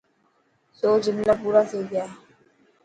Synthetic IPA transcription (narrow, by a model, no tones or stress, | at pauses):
soːd͡ʒɪnlapuːɾaseːɡɪjaː